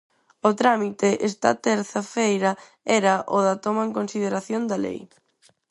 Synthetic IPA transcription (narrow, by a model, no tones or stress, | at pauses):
ʊt̪ɾamit̪eʔɛst̪ɐ̰t̪ɛɾθɐfejɾɐ | ɛɾɐʔoðɐt̪omaeŋkonsið̞eɾaθjond̪ɐlḛj